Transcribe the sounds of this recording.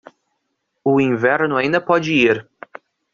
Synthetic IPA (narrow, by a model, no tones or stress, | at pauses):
ʊĩvɛɾnʊaĩnd̪ɐpɔd͡ʒɪiɾ